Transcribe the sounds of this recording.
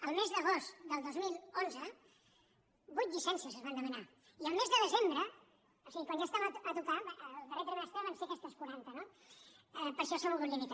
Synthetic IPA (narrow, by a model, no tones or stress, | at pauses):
əlˠmezðəɣ̞ost̪d̪əlˠd̪ozmilˠonzə | bujt̪ʎisɛnsiəzəzβand̪əməna | iəlˠmezðəðəzembɾə | osiɣikwanʒast̪aməət̪ukaβaəlˠt̪əret̪ɾəeəst̪aβansekɛst̪əskuɾant̪əno | əpəɾʃɔsəmulɣunlimit̪